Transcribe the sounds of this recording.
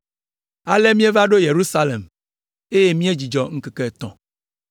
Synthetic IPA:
a˨le˦mĩ˦e˦va˦ɖo˦je˨ɾu˦sa˦le˨m | e˦je˦mĩ˦e˦d͡ʑi˨d͡ʒɔ˨ŋ̩˦kɛ˨kɛ˦˨t̪ɔ̰̃˨

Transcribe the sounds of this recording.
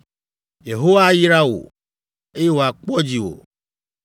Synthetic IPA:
je˨ɦo˦wa˦ji˦ɾa˦wo̰˨ | e˦je˦wo˨a˨k͡pɔ˦d͡ʑi˨wo̰˨

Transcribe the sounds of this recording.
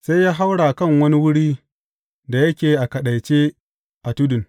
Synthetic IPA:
sa˦jjaː˦ɦa˦wɽaː˨kɐ˦˨ŋwɐ˦ni˦wʊ˦ɽiː˦ | da˨jɐ˦kʲeː˨ʔa˨kɐ˨ɗa˨jt͡ʃeː˦ | ʔa˨tu˦dʊ˨n

